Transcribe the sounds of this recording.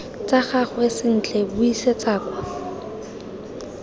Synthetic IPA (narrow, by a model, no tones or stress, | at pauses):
t͡saχaχwesɪn̩t͡ɬʰʼɛbʊiset͡saːkwa